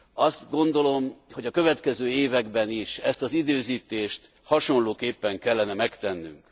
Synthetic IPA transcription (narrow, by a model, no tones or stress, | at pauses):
ɒst̪ɡo̞nd̪o̞lo̞mho̞ɟɒkø̞vɛt̪kɛzøːeːvɛɡbɛniʃɛst̪ɒzid̪øːziːt̪eːʃt̪ | hɒʃo̞nloːkeːpːɛŋkɛlːɛnɛmɛkt̪ɛnːy̰ŋk